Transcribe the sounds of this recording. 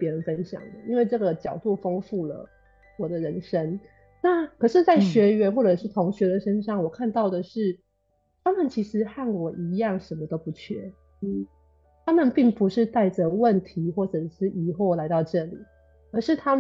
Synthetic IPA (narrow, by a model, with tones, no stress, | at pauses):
pjɛ˧˥ɻə˧˦nfə˦nɕjɑ̰˨˩ŋd̪ə˦i˥nwe˥˧ɪʈ͡ʂɤ˥˩ɡə˩t͡ɕjɑ˨˩ʊt̪u˥˩fo˥ŋfu˥˩lə̰˩ | wɔ˨˩d̪ə˦ɻə˧˥nʂə˦˥n | na˥˩kʰɤ˨˩ʂɻ̩˥˧t͡sa˥˩ɪɕɥɛ˧˥ɥɛ˧˥nxwɔ˥˩ʈ͡ʂɤ˨˩ʂɻ̩˥˩t̪ʰʊ˧˥ŋɕɥɛ˧˥d̪ə˨ʂə˥nʂɑ˥˩ŋwɔ˨˩kʰa˥˧nt̪ɑ˥˩ʊd̪ə˩ʂɻ̩˥˩ | t̪ʰa˥mə˨nt͡ɕʰi˧˥ʂɻ̩˧˥xa˥˩nkwɔ˧˥ʔi˧˥jɑ˥˨˩ŋʂə˧˥nmə˧t̪o˥ʊpu˧˥t͡ɕʰɥɛ˥˩ | n̩˥˩ | t̪ʰa˥mə˨npi˥˩ŋpu˧˥ʂɻ̩˥˧t̪a˥˩ɪʈ͡ʂə˩wə˥˩nt̪ʰi˧˥xwɔ˥˩ʈ͡ʂɤ˨˩ʈ͡ʂʂɻ̩˥˩ʔi˨˩xo˥˩ʊla˧˥ɪt̪ɑ˥˧ʊʈ͡ʂɤ˥˩li˨˩ | ə˞˧˥ʂɻ̩˥˩t̪ʰa˥